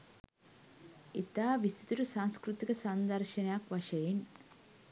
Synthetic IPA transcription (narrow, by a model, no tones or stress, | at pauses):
it̪aːʋist̪ʰi̥t̪uɾusaːŋskɾut̪ikɐsɐnd̪ɐɾʃɐnjaːkʋɐʃɐjin